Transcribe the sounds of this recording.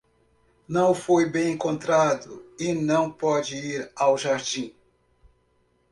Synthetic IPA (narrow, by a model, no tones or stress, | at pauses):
nɐ̃w̃fojbẽj̃ẽŋkõnt̪ɾad̪ʊɪnɐ̃w̃pɔd͡ʒɪiɾawʒaɾd͡ʒĩ